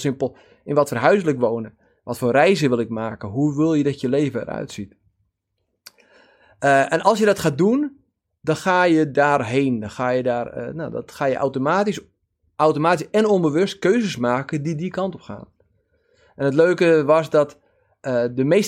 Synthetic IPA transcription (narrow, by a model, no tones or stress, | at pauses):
sɪmpəlˠ | ɪnʋɔtfərɦœɥsələkʋoːnə | ʋɔtfoːrɛjzəʋɪlˠɪk̚maːkəɦuʋɪlˠjədɔtjəleːvəə̰ɾœ̰ɥtsit | ɛnʔɑlˠsjədɔtxaːdun | dɔnxaːjədaːrɦeːndɔnxaːjədaːr̰nodɔ̰txaːjə̰ʔa̰wtomaːtis | ʔawtomaːtisɛnonbəʋøst̚køːzəsmaːkədidikɑntɔpxa̰ːn | ɛnət̬løːkəʋɔsdɔt | ədəmeːs